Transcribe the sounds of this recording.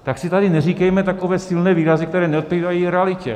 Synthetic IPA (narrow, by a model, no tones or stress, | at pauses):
t̪aksɪt̪adɪnɛr̝iːkɛjmɛt̪akovɛːsɪlnɛːviːɾazɪkt̪ɛɾɛːnɛot̪̚piːvajiɾɛalɪcɛ̰